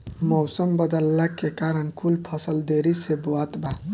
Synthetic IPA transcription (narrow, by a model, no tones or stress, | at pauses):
mɔwsəmbəd̪əlːakekaɾənkʰulpʰəsəld̪eɾisebuat̪ba